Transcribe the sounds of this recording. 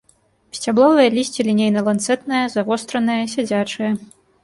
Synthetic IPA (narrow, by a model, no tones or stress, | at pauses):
sʲt͡sʲablˠɔvɨjɐlʲisʲt͡sʲilʲinʲejnɐlˠant̪sɛt̪nɐjɐzavɔst̪ɾɐnɨjɐsʲad͡zʲat͡ʂɨjɐ